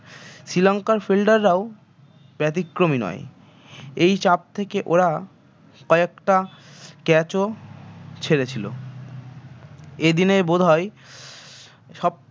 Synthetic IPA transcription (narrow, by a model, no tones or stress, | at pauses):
sɾilɔŋkaɾfelɖaɾːao | bɛt̪ikːɾominɔ̰e | ejt͡ɕap̚t̪ʰekeʔoɾa | kɔekʈakɛt͡ɕo | t͡ɕʰeɾet͡ɕʰilo̰ | ed̪ineɾbod̪ʱae | ʃɔb̚